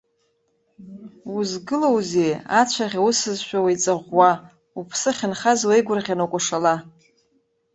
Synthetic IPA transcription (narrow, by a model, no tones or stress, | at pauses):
wuzɡɨlowzejat͡ʃʷʰaʁʲawusɨzʃᶣawijt͡sʼaʁʷːa | upʰsɨχʲɪnχazwejɡʷʊrʁʲanakʷʼaʂala